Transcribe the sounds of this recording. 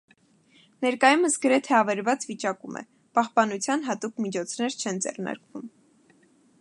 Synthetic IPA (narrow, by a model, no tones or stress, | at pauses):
nɛɾkɑjuməsɡəɾɛt̪ʰɛɑvɛɾvɑt͡svit͡ʃɑkumʔɛ̰ | pɑhpɑnut͡sʰjɑnɦɑt̪ukmit͡ʃʰɔt͡sʰnɛɾt͡ʃʰɛnd͡zɛ̰rnɑ̰ɾkvum